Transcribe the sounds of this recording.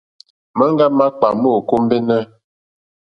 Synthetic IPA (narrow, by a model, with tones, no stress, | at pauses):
mə˦ŋ˦ɡa˦ma˦k͡pa˨mo˦˨ko˦m˦be˦nɛ˦